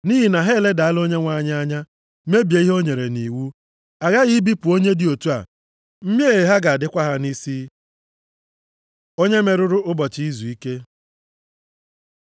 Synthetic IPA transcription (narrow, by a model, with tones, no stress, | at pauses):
niː˦ɦi˨na˨ɦe˦˨le˦da˨a˦lo˦ɲe˦ŋʷa˦ɲa˦a˦ɲa˦ | me˦bje˨i˦ɦo˦ɲe˨ɾe˨ni˨wu˦ | a˨ɣa˦ɣi˦bi˦pʊ˨o˦ɲe˦dɪ˨o˨tu˦a̰˨ | m̩˦m˦e˦e˨ɦa˦ɡa˨a˨dɪ˦kʷa˦ɦa˦ni˦si˦ | o˦ɲe˦me˨ɾʊ˦ɾʊ˦ʊ˦bɔ˨t͡ʃi˦i˦zu˨i˦ke˦